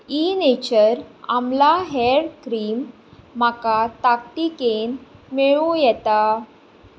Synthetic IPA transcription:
inet͡ɕəɾamlaɦɛɽkɾiːmː | akat̪ak̚ʈ̪ikenmeɭujɛt̪a

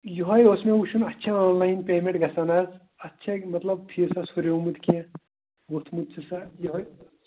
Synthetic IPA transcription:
juɦɐjoːsmẽuʃʰunɐtːʃʰaaːnlaːjnpeːmẽɳʈɡɐsanaːz | ɐtːʃʰɐmɐt̪lɐb̚p̪ʰisasoɾeumud̪kijã | bot̪ʰmud̪̚t͡sʰisajɦɐj

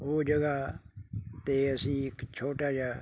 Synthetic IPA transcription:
oːd͡ʒɐɡa | t̪easikt͡ʃʰoʈad͡ʒa

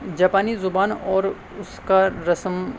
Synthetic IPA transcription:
d͡ʒaːpaːnizʊbaːnɔːɾ | ʊskaɾɐsəm

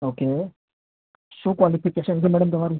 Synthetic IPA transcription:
oːke | sũkʋalipikeʃənɡ̪imɛɽəmt̪ɐmaɾiː

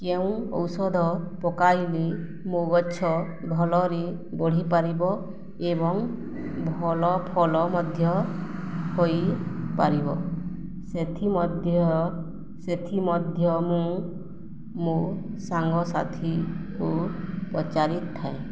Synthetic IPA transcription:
keũɔ̰wsɔd̪ʱɔpɔkajli | mõɡɔːt͡ʃʰɔ | bʱɔlɔɾi | bɔɽ̤ipaɾibɔ | ebɔŋ | bʱɔlɔpʰɔlɔmɔd̪ʱjɔ | hojpaɾibɔ | set̪ʰimɔd̪ʱjɔ | set̪ʰimɔd̪ʱjɔmũ | mu | saŋɡɔsa̰t̪ʰikupɔt͡ʃaɾit̪ɔt̪ʰːae

